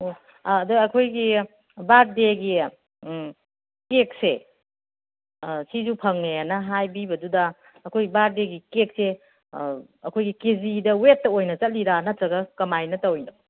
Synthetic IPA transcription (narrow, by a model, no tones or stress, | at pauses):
oː | duɐkʰojɡi | baɾ̚deɡi | kek̚se | sizupʰɐŋnejanɐɦajbibɐdudɐː | kʰojɡibaɾ̚deɡikek̚se | ɐkʰojɡikezidɐwetːɐojnɐt͡ʃɐt̚liɾanɐtɾɐɡɐkɐmajnɐtɐwjno